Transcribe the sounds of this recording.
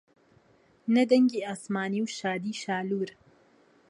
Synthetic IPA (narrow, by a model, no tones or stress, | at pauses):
nɐd̪ɐŋɡiːaːsmaːniːwʃaːd̪iːʃaːluːɾ